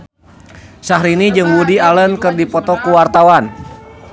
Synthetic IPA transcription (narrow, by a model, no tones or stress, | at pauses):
saɦɾinid͡ʒɨŋbudialənkɨrdipɔt̪ɔkuwart̪awan